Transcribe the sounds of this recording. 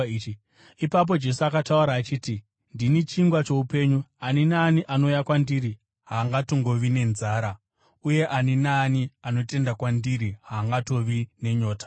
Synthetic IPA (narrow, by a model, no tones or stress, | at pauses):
i | ipap̬o̞d͡ʒe̞suakatauɾaːt͡ʃiːti | ndinit͡ʃiŋɡwat͡ʃo̞upe̞ɲuaninaːniʔano̞jakwandiɾi | ɦaːŋɡatoŋɡo̞ʋine̞nzaːɾa | uje̞ʔaninaːniano̞te̞ndakwandiɾiɦaːŋɡato̞ʋine̞ɲo̞ːtḁ